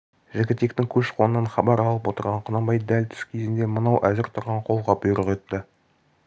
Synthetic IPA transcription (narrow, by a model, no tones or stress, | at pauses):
ʒɪɡʲɪt̪ːe̞kt̪ɪŋkʲʰɵʃqʰo̞nənɑnχɑbɑɾɑlˠəpwo̞t̪əɾʁɑɴqʰənɑmbɑjd̪ælʲt̪ʰʏ̥skʲʰezɪnd̪e̞mənɑwʔæzɪɾt̪ʰʊɾʁɑɴqʰo̞lˠʁɑbʊjɾəʁet̪ːə